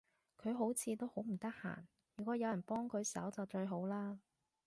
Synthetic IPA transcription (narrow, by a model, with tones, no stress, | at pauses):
kʰɵ˨˧ɥɦo˨˥wt͡sʰiː˨˧t̪o˥who˨˥wm̩˨˩t̪ɐ˥k̚ha̰ː˨˩n | jyː˨˩kʷɔː˨˥jɐ˨˧wjɐ˨˩npɔː˥ŋkʰɵ˨˧ɥsɐ̰˨˥wt͡sɐ˨wt͡ʃɵ˧ɥɦo˨˥wlaː˥